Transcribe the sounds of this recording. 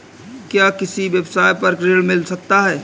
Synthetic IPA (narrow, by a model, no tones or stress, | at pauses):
kjakɪsiʋjebsaːjpɐɾkɾeɽmɪlsɐk̚t̪aɦɛː